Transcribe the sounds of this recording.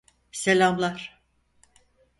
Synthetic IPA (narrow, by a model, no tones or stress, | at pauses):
selʲamlˠaɾ̥